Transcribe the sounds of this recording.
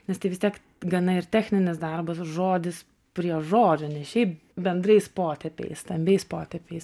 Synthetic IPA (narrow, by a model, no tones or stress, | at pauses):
nʲɛst̪ɐɪʋʲɪst̪ʲiɛk | ɡɐnɐɪrt̪ʲæːxʲnʲɪnʲɪsd̪ɐrbɐsʒoːd̪ʲɪs | pʲɾʲiɛʒoːd͡ʒʲoːnʲɛsʃʲɛɪp | bʲɛnd̪ɾɐɪspoːt̪ʲɛpʲɛ̰ɪst̪ɐmʲbʲɛɪspoːt̪ʲɛpʲɛɪs